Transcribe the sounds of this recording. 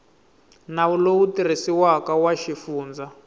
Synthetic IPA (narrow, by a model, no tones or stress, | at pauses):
naulowutir̤isiwakawaʃifuːnd͡za